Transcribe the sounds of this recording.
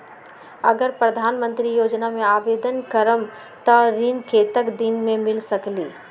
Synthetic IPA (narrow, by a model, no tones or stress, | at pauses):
ɐ̰ɡəɾpɾɐd̪ʱaːnmə̃nt̪ɾijoːd͡ʒnamẽaːʋeːd̪ənkəɾəm | t̪ɐɾinkʰeːt̪əkd̪inmẽmɪlsɐkliː